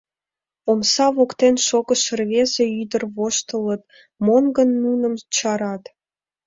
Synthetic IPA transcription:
omsɑβokt̪enʃoɣə̆ʃərβezeyd̪ərβoʃt̪ələt̪̚ | monɡənːunə̆mt͡ɕɑɾɑt̪

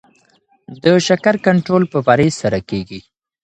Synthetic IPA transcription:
d̪əʃakaɾkaɳʈɾolpəbaɾesaɾakeɡi

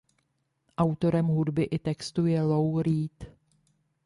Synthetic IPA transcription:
ʔawt̪o̞ɾɛmɦudbɪʔɪt̪ɛkst̪ujɛlo̞wɾiːt̪

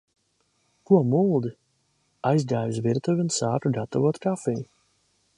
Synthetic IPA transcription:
kuɔmulˠd̪i | ajzd̪aːjvisviɾt̪uvʲiunsaːkuɡat̪ɔvuɔt̪kafij

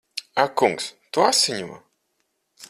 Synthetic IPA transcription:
akuŋkst̪uasʲɪɲʲuma̰

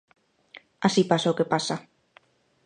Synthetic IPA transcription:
asipasaokepasa

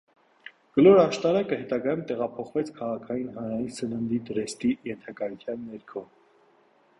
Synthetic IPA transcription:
ɡ̥əlɔɾɑʃt̪ɑɾɑkəhɛt̪ɑɡɑjumt̪ɛʁɑpʰɔχvɛt͡sʰkʰɑʁɑkʰɑjinɦɑnɾɑjinsənənd̪id̪əɾɛst̪ijɛnt̪ʰɑkɑjut͡sʰjɑnːɛɾkʰɔ

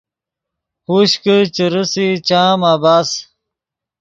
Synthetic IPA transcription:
huɕkət͡ɕəɾəsit͡ɕaːmaːbaːs

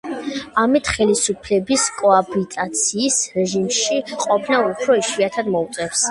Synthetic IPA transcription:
amit̪ʰχɛlisupʰlɛbiskʼɔabit̪ʼat̪sʰiːsɾɛʒimʃiqʼɔpʰnaupʰɾɔiʃwiat̪ʰad̪mɔut̪sʼɛfs

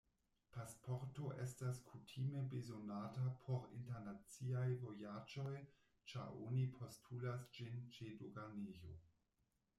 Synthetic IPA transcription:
pʰaspʰo̞ɾtoʔe̞staskʰutʰime̞bezo̞natapʰo̞ɾḭnteɾnat͡siajvo̞jad͡ʒo̞j | t͡ʃa̰ɾo̰nipʰo̞stʰulasd͡ʒint͡ʃedoɡanejo̰

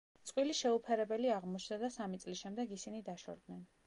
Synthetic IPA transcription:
t̪sʼqʼwiliʃɛupʰɛɾɛbɛliaʁmɔt͡ʃʰd̪ad̪asamit̪sʼlisʃɛmd̪ɛɡisinid̪aʃɔ̰ɾd̪nɛn

